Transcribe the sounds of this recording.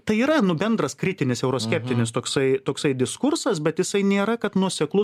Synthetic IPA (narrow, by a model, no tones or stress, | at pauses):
t̪ɐɪiːɾɐnʊbʲɛnd̪ɾɐskɾʲɪt̪ʲɪnʲɪsɛʊɾoːsʲkʲɛpʲt̪ʲɪnʲɪst̪oːksɐɪt̪oːksɐɪd̪ʲɪskʊɾsɐsbʲɛt̪jɪsɐɪnʲeːɾɐkɐt̪nuɔsʲɛklˠʊ